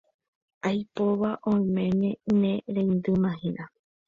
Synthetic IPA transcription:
ajpoʋaʔõj̃mẽ̞nẽ̞nẽɾẽĩnd̪ɨmãɦĩʔa

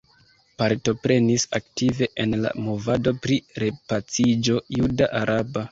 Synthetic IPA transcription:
paɾto̞pɾe̞nisa̰ktive̞ʔenla̰mo̞vado̞pɾiɾe̞pat͡sid͡ʒo̞judaʔaɾʔaba

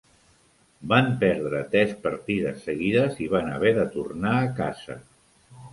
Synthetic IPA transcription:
bampɛɾðɾət̪ɾɛspəɾt̪iðəsːəɣiðəziβanəβ̞ɛðət̪urnaːkazə̰

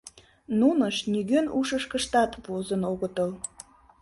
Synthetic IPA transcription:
nunəʃnyɣønuʃəʃkəʃt̪ɑt̪βozənoɣət̪əl

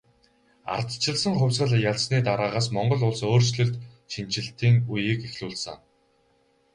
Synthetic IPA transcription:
a̰rt̪t͡ɕʰɪ̆ɮsə̆ŋχʊwʲsɢə̆ɮjaɮsniːt̪aɾaːʁaːsmɔɴɢɞ̆ɮʊɮsoːrsɮɵ̆ɬt̪ | ʃint͡ɕɪ̆ɬt̪iːŋujiːkixɮuːɮsə̰̆ŋ

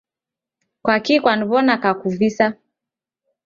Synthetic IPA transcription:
kwakikwaniβɔnakakuvisa

